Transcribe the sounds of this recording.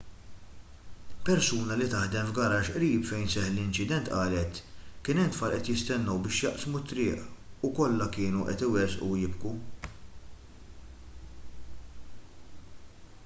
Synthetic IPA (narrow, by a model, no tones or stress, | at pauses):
pɛɾsuːnɐlɪt̪ɐħd̪ɛmvɡɐɾɐːʃʔɾiːpfɛjnsɛħlɪnt͡ʃɪd̪ɛnt̪ʔɐːlɛt̪kɪːnɛmt̪fɐːɾʔɛt̪jɪst̪ɛnːɔwbɪːʃjɐʔsmut̪ːɾɪːʔukɔlːɐkɪːnuʔɛ̰t̪ɪwɛsʔṵjɪbku